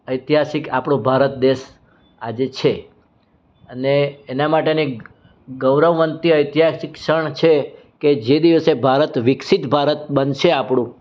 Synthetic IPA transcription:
əjt̪iɦasɪka̰pɳũbʱaɾət̪̚d̪eʃ | ad͡ʒet͡ʃʰe | əneːnamaʈeni | ɡəwɾəʋːənt̪iəjt̪iɦasɪkʃəɳt͡ʃʰe | ked͡ʒed̪iʋəsebʱaɾət̪ʋɪkʃit̪bʱaɾət̪bənʃeapɳ̃ũ

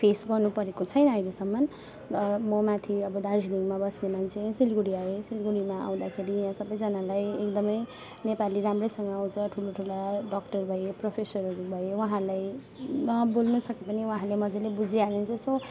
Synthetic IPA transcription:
pʰesɡʌrnupʌɾekot͡sʰʌjnʌajɾesʌmːʌn | ʌmʌmat̪ʰiʌbʌd̪ard͡ziniŋmabʌsnemant͡sʰesilɡuɽiaesilɡuɽimaa̰w̃d̪akʰeɾiɦãsʌbʌjd͡zʌnalajekd̪ʌmʌj | nepaliɾamrʌjsʌŋɡʌaw̃t͡sʰʌʈʰuloʈʰulaɖʌkʈʌrbʱʌjepropʰesʌɾʌɾubʱʌewaɦãɾlaj | nʌbolnusʌkepʌniwɦãlemʌd͡zelebud͡zʱialent͡sʰʌso

